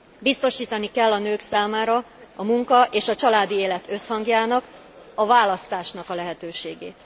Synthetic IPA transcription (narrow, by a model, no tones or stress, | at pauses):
bist̪o̞ʃiːt̪ɒnikɛlːɒnøːksaːmaːɾɒ | ɒmuŋkɒʔeːʃɒt͡ʃɒlaːd̪ieːlɛt̪øshɒŋɡjaːnɒk | ɒvaːlɒst̪aːʃnɒkɒlɛɦɛt̪øːʃeːɡḛːt̪